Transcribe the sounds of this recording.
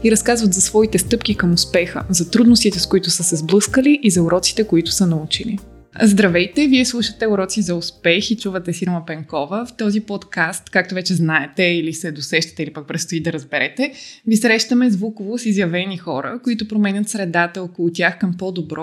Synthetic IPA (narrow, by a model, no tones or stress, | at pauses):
iɾɐskazvət̪zɐsvɔit̪ɛst̪ɤpk̟ikəmʊspɛxə̰zɐt̪ɾud̪nost̪it̪ɛskoit̪ʊsəsɛzblˠɤskəliʔizɐʊɾɔt̪si̥t̪ɛkoit̪ʊ̥sənɐut͡ʃilḭ | zd̪ɾɐvɛjt̪ɛviɛslˠuʃət̪ɛʊɾɔt̪sizɐʊspɛxit͡ʃuvɐt̪ɛsiɾmɐpɛŋkɔvəft̪ɔzipɔt̪kast̪kak̚t̪ovɛt͡ʃɛznaɛt̪ɛilisɛd̪osɛʃt̪ɐ̥t̪ɛilipɐk̚pɾɛt̪st̪oid̪ɐɾəzbɛɾɛt̪ɛvisɾɛʃt̪əmɛzvukovosizjɐvɛnixɔɾə̰koit̪ʊpɾomɛnʲət̪sɾɛd̪at̪əɔkolˠʊt̪ʲjaxkɐmpɔd̪obɾɔ